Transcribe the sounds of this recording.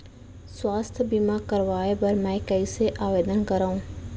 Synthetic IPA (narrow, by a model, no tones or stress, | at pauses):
swaːst̪ʰbimakəɾʋaːebɐɾmɛ̃ːkəiseʔaːʋeːd̪ənkəɾaːũː